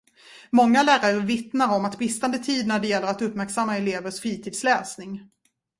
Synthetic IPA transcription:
mɔŋːalæːɾaɾəvɪt̪naɾɔmat̪bɪst̪and̪ət̪ʰiːd̪næɖɛjɛlːəɾat̪ɵpmæɾksamːaɛleːvəʂfɾiːt̪ʰiːd̪slɛːsnɪŋ

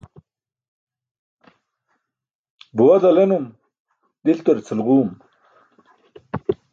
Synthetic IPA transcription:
buwɐzɐlenum | d̪ilt̪oɾt͡sʰilʁuːm

